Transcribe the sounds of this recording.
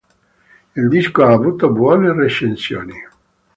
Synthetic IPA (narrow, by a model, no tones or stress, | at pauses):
ild̪iskoaːvuːt̪obwɔːnereʃensjo̰ːni